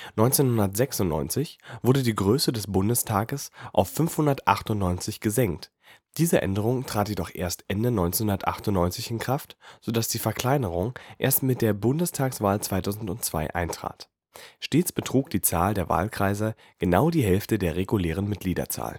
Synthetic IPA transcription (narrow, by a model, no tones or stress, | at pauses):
nɔʏnt͡seːnhʊndɐtz̥ɛksʊntnɔ̰ʏnt͡sɪçv̥ʊɐdədiːɡʁøːsədɛsb̥ʊndəstʰaːɡəsʔa̰ʊfːʏnfhʊndɐtʔa̰χtʊntnɔʏnt͡sɪçɡ̥əzɛŋkt | d̥iːzəʔɛ̰ndəʁ̞ʊŋtʁ̥aːtjedɔχʔeːɐstʔɛndənɔʏnt͡senhɦʊndɐtʔa̰χtʊnnɔʏnt͡sɪçɪnkʁ̥aftz̥odasd̥iːfɛɐkl̥aɪnəʁ̞ʊŋʔḛːɐstmɪt̚d̥eːɐbʊndəstʰaːksv̥aːlt͡sv̥aɪtʰaʊzn̩tʊnt͡sv̥a̰ɪʔa̰ɪntʁ̥a̰ːt | ʃteːt͡sb̥ətʁ̥uːk̚d̥iːt͡sa̰ːldeːɐva̰ːlkʁ̥aɪzə | ɡ̥ənaʊdiːɦɛlftədeːɐʁeɡuleːʁ̞ənmɪt̚ɡ̥liːdɐ̰t͡sa̰ːlən